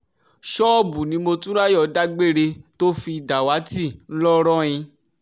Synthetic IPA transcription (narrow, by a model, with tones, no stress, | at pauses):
ʃɔ˦˨bu˨nĩ˨˦mo˧tũ˦ɾa˦jɔ˧˨da˦ɡ͡be˦˨ɾe˧to˦fi˧˨da˨wa˨˦ti˦˨n̩˦lɔ˦ɾɔ̃˦j̃ĩ˧